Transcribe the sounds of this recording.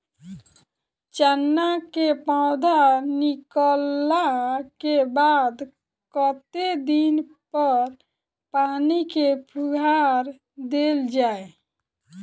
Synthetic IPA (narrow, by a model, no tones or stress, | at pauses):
t͡ʃənːakepãʊd̪ʱanikəlakebad̪ | kət̪ed̪in | pəɾ | panikepʰuɡʱaɾ | d̪eld͡ʒaːe